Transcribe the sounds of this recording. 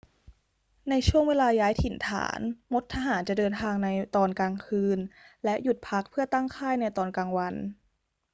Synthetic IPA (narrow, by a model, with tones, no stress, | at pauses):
na˧jt͡ɕʰu˥˩əŋweː˧laː˧jaː˦˥jt̪ʰi˨˩˦nt̪ʰa̰ː˩˦nmo˦˥t̪ʰːa˧ɦaː˩˦nt͡ɕa˨˩dɤː˧nt̪ʰaː˧ŋna˧jt̪ɔː˧nkaː˧ŋkʰɯː˧nlɛ˦˥ʔju˨˩t̪̚pʰa˦˥k̚pʰɯ˥˩ɐt̪a˥˩ŋkʰaː˥˩jna˧jt̪ɔː˧nkaː˧ŋwa˧n